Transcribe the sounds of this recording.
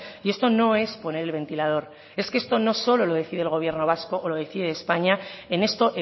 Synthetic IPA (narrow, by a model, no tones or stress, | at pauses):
ie̞st̪o̞no̞e̞spo̞ne̞ɾe̞lβe̞nt̪ilað̞o̞ɾ | e̞skeest̪o̞no̞so̞lo̞lo̞ðe̞θið̞lɣ̞o̞β̞je̞ɾno̞β̞asko̞ʔːlo̞ðe̞θiðeespaɲae̞ne̞st̪o̞ʔe